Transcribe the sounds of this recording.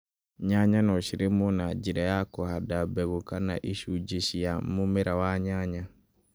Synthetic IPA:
ɲaɲanɔʃiɾemunad͡ʒiɾɛjakɔhadabɛɣukana̰ʔiʃud͡ʒiʃijamumɛɾawaɲaɲa

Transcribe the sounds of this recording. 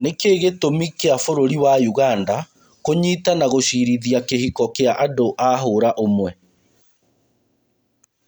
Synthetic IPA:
nekeːɣetomikeafoɾoɾiwajuɣanda | koɲiːtanaɣoʃiɾiðiakehikɔkeaʔadoʔaɦoɾaʔomwɛ

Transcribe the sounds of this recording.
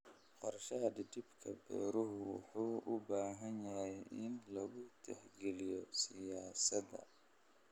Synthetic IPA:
qɔɾɐʃɐɦɐɖɪd̪ɪbkʰɐbɛ̰ːɾʊɦʊwɑ̰ħuːʔʊbaːɦɐnjɐɦɛjɪnlɐɣʊt̪ʰɛhɡɛlɪjɔsɪjaːsɐd̪ɐ̰

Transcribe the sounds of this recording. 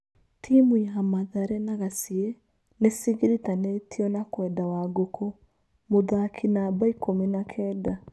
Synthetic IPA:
tʰimujamaðaɾɛnaɣasiɛ | nesiɣiɾitanetʰiɔnakwɛdawaɡokʰo | moðakʰinabaikominakʰɛːda

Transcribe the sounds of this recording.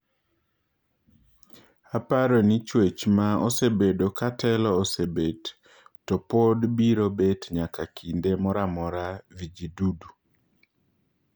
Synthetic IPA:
apaɾɔnit͡ʃwet͡ʃmaɔsebedokatɛlɔːsebed | tɔpodbiɾobetɲakakʰindemɔɾamɔɾavid͡ʒidudu

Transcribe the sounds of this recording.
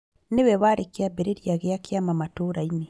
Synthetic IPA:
newɛβaɾekeabeɾeɾjaɣeakjamamatoɾaine

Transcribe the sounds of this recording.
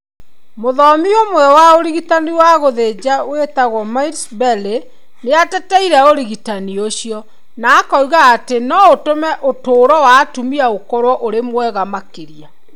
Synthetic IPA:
moðɔmiomwɛwaoɾiɣitaniwaɣoðed͡ʑawetaɣwɔmaiɾsbɛle | neatɛtɛiɾaoɾiɣitanioɕijɔ | naːkɔuɣaːtenɔotomɛʔotoːɾɔwatumiaokɔɾwɔʔoɾemwɛɣamakeɾia

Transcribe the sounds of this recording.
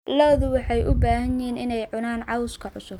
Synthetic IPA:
lɔðʊwɑħɑjʔʊbaːhɐnɪiːnɪnɛjʕʊnaːnʕɑwskʰɐʕʊsʊb

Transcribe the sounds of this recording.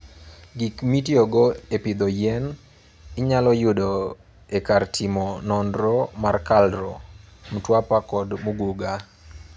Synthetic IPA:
ɡikmitioɡɔepɪd̪ɔjɛn | ɪɲalɔjʊdo | ekartʰimɔnɔndɾɔmarkaldɾɔmtwapakɔdmuɡuɡa

